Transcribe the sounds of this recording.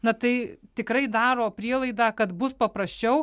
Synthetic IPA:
nɐt̪ɐɪt̪ʲɪkɾɐɪd̪ɑːɾoːpʲɾʲiɛlˠɐɪd̪aːkɐt̪bʊspɐpɾɐsʲt͡ʃʲɛʊ

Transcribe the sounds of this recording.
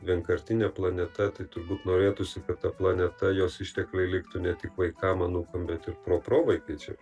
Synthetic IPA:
ʋʲiɛŋkɐɾʲt̪ʲɪnʲɛplˠɐnʲɛt̪ɐt̪ɐɪt̪ʊɾbuːt̪noːɾʲeːt̪ʊsʲɪkɐt̪t̪ɐplˠɐnʲɛt̪ɐjoːsɪʃʲt̪ʲɛklʲɐɪlʲɪkt̪ʊnʲɛt̪ʲɪkʋɐɪkɑːmɐnuːkɐmbʲɛt̪ɪɾpɾoːproːʋɐɪkɐt͡ʃʲɛ̰

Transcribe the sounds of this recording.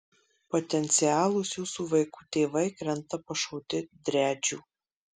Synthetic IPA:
pɔt̪ʲɛnʲt̪sʲɪjæːlˠʊsjuːsuːʋɐɪkuːt̪ʲeːʋɐɪkɾʲɛnˑt̪ɐpɐʃoʊt̪ʲɪd̪ʲɾʲæːd͡ʒʲuː

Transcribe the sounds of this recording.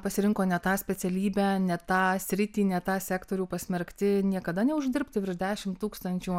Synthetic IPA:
pɐsʲɪɾʲɪŋkoːnʲɛt̪ɑːsʲpʲɛt̪sʲɛlʲiːbʲæːnʲɛt̪ɑːsʲɾʲɪt̪ʲiːnʲɛt̪ɑːsʲæːkt̪oːɾʲuːpɐsʲmʲɛɾʲkt̪ʲɪnʲiɛkɐd̪ɐnʲɛʊʒʲd̪ʲɪɾʲpʲt̪ʲɪʋʲɪɾd̪ʲæːʃʲɪmt̪uːkst̪ɐnʲt͡ʃʲuː

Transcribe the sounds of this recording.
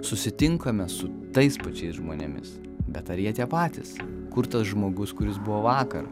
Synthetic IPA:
sʊsʲɪt̪ʲɪŋkɐmʲɛsʊt̪ɐɪspɐt͡ʃʲɛɪsʒmoːnʲɛ̰mʲɪ̰s | bʲɛt̪ɐɾjiɛt̪ʲiɛpɑːt̪ʲɪs | kʊɾt̪ɐsʒmoːɡʊskʊɾʲɪsbʊʋoːʋɑːkɐ̰ɾ

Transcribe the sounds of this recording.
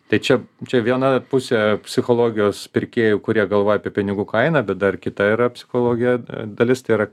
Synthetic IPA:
t̪ɐɪt͡ʃʲɛt͡ʃʲɛʋʲiɛnɐpʊsʲepʲsʲɪxoːlˠoːɡʲɪjoːspʲɪɾʲkʲeːjʊkʊɾʲiɛɡɐlˠʋoːjɛɐpʲiɛpʲɪnʲɪɡuːkɐɪnɐːbʲɛt̪̚d̪ɐrkʲɪt̪ɐiːɾɐpʲsʲɪ̥xoːlˠoːɡʲɪjɛd̪ɐlʲɪst̪ɐɪiɾɐ

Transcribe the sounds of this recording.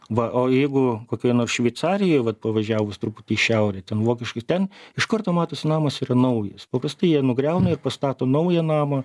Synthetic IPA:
ʋɐʔoːjɛɪɡʊkoːkʲɛːnoːrsʃʲʋʲɛɪtsɑːɾʲɪjoːjʋɐt̪̚pɐʋɐʒʲæːʋʊst̪ɾʊpʊt̪ʲɪːʃʲɛʊɾʲɛt̪ʲɛnʋoːkʲɪʃkɐɪtʲɛnɪʃkɐrt̪oːmɑːt̪oːsʲɪnɑːmɐsiːɾɐnɐʊjɛ̰spɐpɾɐst̪ɐɪjiɛnʊɡɾʲɛʊnɐɪrpɐst̪ɑːt̪oːnɐʊjɛnɑːmɐ

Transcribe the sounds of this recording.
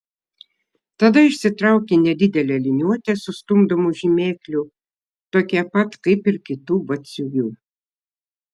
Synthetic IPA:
t̪ɐd̪ɐɪʃʲsʲɪt̪ɾɐˑʊkʲeːnʲɛd̪ʲɪd̪ʲɛlʲɛlʲɪnʲuɔt̪ʲeːsʊst̪ʊmd̪omuʒʲimʲeːklʲʊ | t̪oːkʲɛpɐt̪kɐɪpɪɾkʲɪt̪uːbɐt̪ʲsʲujʲuː

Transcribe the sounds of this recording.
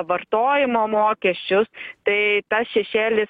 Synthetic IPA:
ʋɐrt̪oːjɪmoːmoːkʲɛsʲt͡ʃʲʊst̪ɐɪt̪ɐsʃʲɛʃʲeːlʲɪs

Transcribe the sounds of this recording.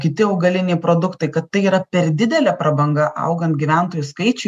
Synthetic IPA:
kʲɪt̪ʲɪɐʊɡɐlʲɪnʲɛɪpɾoːd̪ʊkt̪ɐɪkɐt̪ːɐɪiːɾɐpʲɛɾd̪ʲɪd̪ʲɛlʲɛpɾɐbɐŋɡɐʔɐ̰ʊɡɐnt̪ɡʲiʋʲæˑnt̪oːjʊskɐɪt͡ʃʲʊ

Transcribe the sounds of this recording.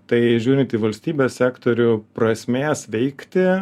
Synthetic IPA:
t̪ɐɪʒʲuːɾʲɪ̃nt̪ʲiːʋɐlʲsʲt̪ʲiːbʲeːsʲsʲæːkt̪oːɾʲʊpɾɐsʲmʲeːsʋʲɛɪkt̪ʲɪ

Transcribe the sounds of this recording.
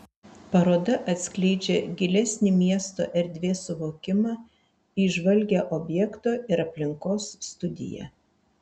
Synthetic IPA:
pɐɾoːd̪ɐʔɐt̪ʲsʲklʲɛɪd͡ʒʲeɡʲɪlʲɛsʲnʲɪmʲiɛst̪o̰ːʔɛɾʲd̪ʲʋʲeːsʊʋoːkʲɪmɑː | iʒʋɐlʲɡʲɛʔɔːbʲjɛkt̪oːɪɾɐpʲlʲɪŋkoːsːt̪ʊd̪ʲɪ̰jɛ̰ː

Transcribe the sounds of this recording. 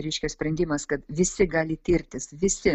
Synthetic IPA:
ɾʲɛɪʃʲkʲosʲpʲɾʲɛnʲd̪ʲɪmɐskɐt̪ʋʲɪsʲɪɡɑːlʲɪt̪ʲiːɾʲt̪ʲɪsʋʲɪsʲɪ

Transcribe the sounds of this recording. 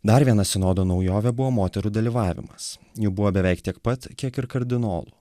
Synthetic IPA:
d̪ɐɾʋʲiɛnɐsʲɪnoːd̪oːnɒʊjoːʋʲɛbʊʋoːmoːt̪ʲɛɾuːd̪ɐlʲiʋɑːʋʲɪ̰mɐsjubʊʋoːbʲɛʋʲɛɪkt̪ʲiɛkpɐt̪kʲiɛkɪɾkɐɾʲd̪ʲɪno̰ːlˠʊ̰

